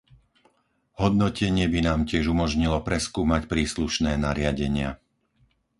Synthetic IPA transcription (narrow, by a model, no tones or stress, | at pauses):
ɦɔd̪nɔcɛɲɪɛbinaːmcɪɛʒumɔʒɲilɔpɾɛskuːmacpɾiːsluʃnɛːnaɾɪaɟɛɲɪa̰